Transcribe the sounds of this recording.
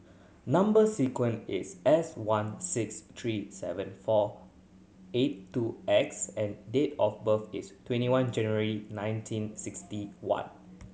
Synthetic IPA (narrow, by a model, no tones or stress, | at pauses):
nãmbəsikwə̃nɪ̰sɛswãnsɪkst̪ʰɹisɛ̰və̃nfɔ | etːuɛksɛ̃ndetɔfbəfḭstwɛ̃ntiwãnd͡ʒɛ̃nəɹəɹinãj̃ntʰĩnsɪkstiwã̰n